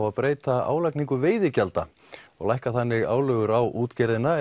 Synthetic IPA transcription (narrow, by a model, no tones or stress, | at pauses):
waðpɾeːjt̪aa̰ːwlajkniŋkʏveːjðɪcalt̪a̰ | ɔ̰ɣlajhkaθanːɪɣa̰ːwlœɣʏɾawuːt̪cɛɾðɪnːa